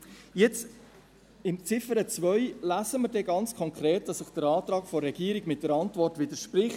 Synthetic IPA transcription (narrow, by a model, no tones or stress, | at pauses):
jɛt͡s | ɪmt͡sɪfəɾət͡sʋœʏlæzəməɾdɛɡɑnt͡skʰɔŋkɾeːt̚d̥ɑsɪχd̥əɾɑːt̪ɾɑːkfɔrːɛɡ̥iːəɾiɡmɪt̚dəɾɑntvɔrtʋɪdəʃpɾɪχt